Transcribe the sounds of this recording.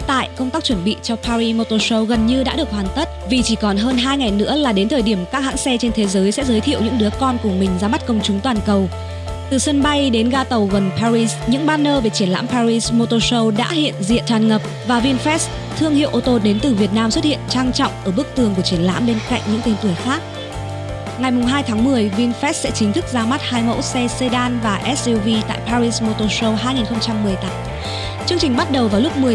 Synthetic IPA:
t̪a̰ː˧˨jkə˧wŋ͡mt̪aː˦˥k̚t͡ɕwə˧˩nɓḭ˧˨t͡ɕɔ˧pʰaː˧ɾi˧mo˧t̪o˧sə˧wɣə˨˩nɲɨ˧ɗa̰ː˧˥ɗɨ˨˩ək̚hwaː˨˩nt̪ə˦˥t̚vi˨˩t͡ɕi˧˩kɔ˨˩nɦəː˧nɦaː˧jŋa˨˩jnɨ̰˧˥əlaː˨˩ɗe˨˦nt̪ʰəː˨˩jɗi˧˩əmkaː˦˥k̚ha̰ː˧˥ŋsɛ˧t͡ɕe˧nt̪ʰe˨˦zəː˨˦jsɛ̰˧˥zəː˨˦jt̪ʰḭ˧˨əwɲɨ̰˧˥ŋɗɨ˨˦əkɔ˧nkʊ˨˧˩əmï˨˩ŋ̟zaː˧ma˦˥t̚kə˧wŋ͡mt͡ɕʊ˨˦ŋ͡mt̪waː˨˩nkə˨˩w | t̪ɨ˨˩sə˧nɓa˧jɗe˨˦nɣaː˧t̪ə˨˩wɣə˨˩npʰaː˧ɾi˧sɲɨ̰˧˥ŋɓaː˧nːəː˧ve˨˩t͡ɕi˧˩ənla̰ː˧˥mpaː˧ɹi˧smo˧t̪o˧sə˧wɗa̰ː˧˥hḭ˧˨ənzḭ˧˨ənt̪ʰaː˨˩nŋə˨˩p̚vaː˨˩vi˧nfɛ˦˥s | t̪ʰɨ˧əŋhḭ˧˨wʔo˧˩t̪o˧˩ɗe˨˦nt̪ɨ˨˩vi˨˩ət̚naː˧mswə˦˥t̚hḭ˧˨ənt͡ɕaː˧ŋt͡ɕɔ̰˧˨wŋ͡mʔəː˧˩ɓɨ˦˥ək̚t̪ɨ˨˩əŋku˧˩ət͡ɕi˧˩ənla̰ː˧˥mɓe˧nka̰˧˨jŋ̟ɲɨ̰˧˥ŋt̪e˧nt̪ɨ˧˩əjxaː˦˥k̚ | ŋa˨˩jmʊ˨˩ŋ͡mɦaː˧jt̪ʰaː˨˦ŋmɨ˨˩əjvi˧nfɛ˦˥s̚sɛ̰˧˥t͡ɕï˨˦ŋ̟t̪ʰɨ˦˥k̚zaː˨˧ma˦˥t̚haː˧jmə̰˧˥wsɛ˧se˧ɗaː˧nvaː˨˩ʔɛ˦˥si˧vi˧t̪a̰ː˧˨jpaː˧ɾi˧smo˧t̪o˧sə˧wɦaː˧jŋi˨˩nxə˧wŋ͡mt͡ɕa˧mːɨ˨˩əjt̪aː˨˦m | t͡ɕɨ˧əŋt͡ɕï˨˩ŋ̟ɓa˦˥t̚ɗə˨˩wvaː˨˩wlʊ˦˥k͡p̚mɨ˨˩ə

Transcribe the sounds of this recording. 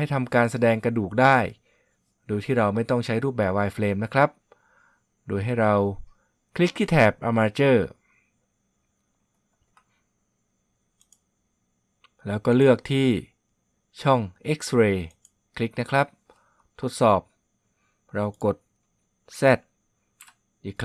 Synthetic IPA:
ha˥˩jt̪ʰa˧mkaː˧nsa˧dɛː˧ŋkɾa˧duː˨˩k̚daː˥˩j | doː˧jt̪ʰiː˥˩ɾa˧wma˥˩jt̪ɔ˥˩ŋt͡ɕʰa˦˥jɾuː˥˩p̚bɛː˨˩p̚waː˧jfleː˧mna˦˥kʰɾa˦˥p̚ | doː˧jɦa˥˩jɾa˧w | kʰli˦˥k̚t̪ʰiː˥˩t̪ʰɛː˨˩p̚ʔa˧maː˧t͡ɕɤː˥˩ | lɛː˦˥wkɔː˥˩lɯ˥˩ək̚t̪ʰiː˥˩ | t͡ɕʰɔ˥˩ŋʔe˦˥k̚sɾeː˧ | kʰli˦˥k̚na˦˥kʰɾa˦˥p̚ | t̪ʰo˦˥t̪̚sɔː˨˩p̚ | ɾa˧wko˨˩t̪̚ | sɛ˦˥˩t̪̚ | ʔiː˨˩kʰː

